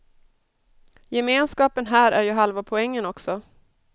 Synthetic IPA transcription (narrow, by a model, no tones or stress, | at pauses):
jɛmeːnskɑːpənɦæːɾæɾjɵɦalvapʰɔɛŋːənɔksɔ